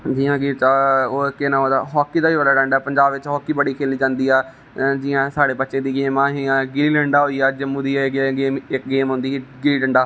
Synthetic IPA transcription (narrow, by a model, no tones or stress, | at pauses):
d͡ʒiːãːɡiːt͡ʃaːoːkːeːnãːɦoːd̪a̰ːɦɔːkːiːd̪aːiːʋəd̪aːɖə̃ɳɖaːpəɲd͡ʒaːbʋɪt͡ʃɦɔːkːiːbəɽiːkʰeːliːd͡ʒãːnd̪iːɛː | d͡ʒiːãːsaːɽeːbətːʃẽːd̪iːɡeːmãːɦiːãːɡɪɾiːlɛ̃ɳɖaːɦoːiːɛːd͡ʒəmːũːd̪iːɡeːmɪk̚ɡeːmɦʊ̃nd̪iːɡiiːɖəɳɖaː